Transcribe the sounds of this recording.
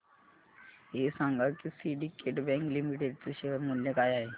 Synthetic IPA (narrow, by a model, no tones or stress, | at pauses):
eːsãŋɡakisiːɖikeːʈbɛ̃ːŋklimiʈeɖseʃeəɾmʊljəkaːjaɦeː